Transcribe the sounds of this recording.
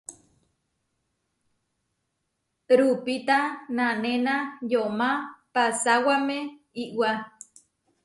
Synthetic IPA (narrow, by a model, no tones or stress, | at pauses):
ɾupit̪anãnẽnãjomãpasawamẽ | iʔwa